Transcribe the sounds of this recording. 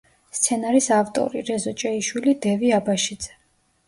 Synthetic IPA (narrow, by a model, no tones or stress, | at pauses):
st̪sʰɛnaɾisaft̪ʼɔ̰ɾiɾɛzɔt͡ʃʼɛiʃwilid̪ɛviabaʃid̪z̥ɛ̥